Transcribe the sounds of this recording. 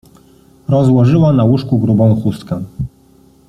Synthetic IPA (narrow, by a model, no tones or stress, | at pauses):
ɾɔzwɔʐɘwanawuʂkuɡɾubɔ̃wxust̪ka